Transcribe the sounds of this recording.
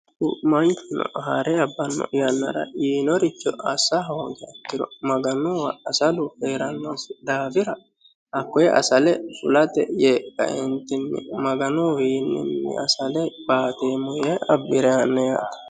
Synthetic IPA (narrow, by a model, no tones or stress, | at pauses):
kʊ̰mɐŋkɪnɔ̰ʔɦaɾɛɐbːɐnːɔ̰jɐnːɐ̰ɾɐ̰ʔiːnɔɾɪt͡ʃːɔɐsɐɦoːɡɛɐkːɪɾɔmɐɡɐnʊwɐɐsɐlʊfeːɾɐnːosd̪aːbɪɾɐ | ʔɐkːɔjɛʔɐ̰sɐlɛfʊlɐt̪ɛjekɐ̰ʔɛnt̪ɪnːɪ̰mɐɡɐnuwiːnːɪ̰nːɪ̰ɐsɐlɛb̥aːt̪eːmʊjeʔɐbːɪɾɛɐnːɛjaːt̪ɐ̥